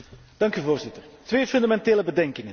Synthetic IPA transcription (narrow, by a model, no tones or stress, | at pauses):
d̥ɑŋkyvoːɹzɪtər | tʋeːfɵndamɛnteːləbədɛŋkɪŋə